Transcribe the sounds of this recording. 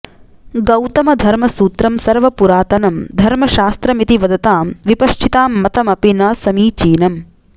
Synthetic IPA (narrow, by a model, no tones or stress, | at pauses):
ɡɐwt̪ɐmɐd̪ʱɐɾmɐsuːt̪ɾɐmsɐɾʋɐpuɾaːt̪ɐnɐmd̪ʱɐɾmɐʃaːst̪ɾɐmit̪iʋɐd̪ɐt̪aːmʋipɐʂt͡ʃʰit̪aːmːɐt̪ɐmɐpinɐːsɐmiːt͡ʃiːnɐm